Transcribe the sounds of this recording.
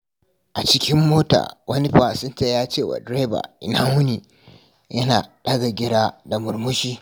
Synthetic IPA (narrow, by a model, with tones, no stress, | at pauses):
ʔa˨t͡ʃɪ˦kʲɪ˦mːoː˦ta̰ː˨wʔɐ˦ni˦ɸa˨sɪ˦ntaː˦˨jaː˦t͡ʃeː˦˨wa̰˨dɾeː˦ba̰˨ʔɪ˨naː˦mʊ˦ni˨ | jɐ˦naː˨ɗɐ˦ɡa˨ɡʲɪ˦ɽaː˦da˨mʊ˨ɾmʊ˦ʃiː˦